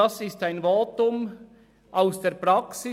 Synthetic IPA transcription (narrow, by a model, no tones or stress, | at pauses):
ɑsɪstaɪnvoːtʊm | ʔaʊsd̥eːɐpʁaksɪ